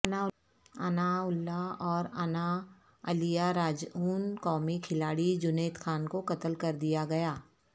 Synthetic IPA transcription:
a | ɐnaʊlːaɔːɾɐna | ɐlijaɾaːd͡ʒuːnkɔːmikʰɪlaːɽid͡ʒʊneːt̪xaːnkokɐt̪əlkɐɾd̪ijaɡɐjaː

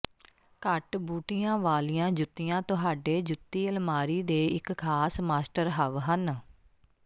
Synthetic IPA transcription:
kəʈbuːʈijãːʋaːlijãːd͡ʒʊt̪ːijãːt̪ʊɦaːɖeːd͡ʒʊt̪ːiːəlmaːɾiːd̪eːɪkkʰːaːsmaːsʈəɾɦəʋɦən

